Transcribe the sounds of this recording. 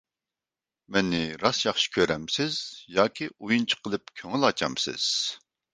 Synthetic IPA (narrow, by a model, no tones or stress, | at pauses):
mɛnːɪɾɑsjɑχʃi̥kʲʰøɾɛmsɪz̥jɑːkʲʰiujunt͡ʃʰi̥qʰəlˠɨpkʲʰøŋɪlɑt͡ʃʰɑ̰msɪ̰z̥